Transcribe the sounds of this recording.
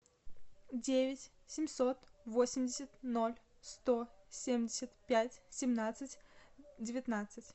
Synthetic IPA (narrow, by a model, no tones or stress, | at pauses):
dʲevʲɪtʲ | sʲɪmʲsot̪vosʲɪmʲdʲɪsʲət̪nolʲ | st̪osʲemʲdʲɪsʲət̪pʲætʲsʲɪmnat̪sɨtʲdʲɪvʲɪt̪nat̪sɨtʲ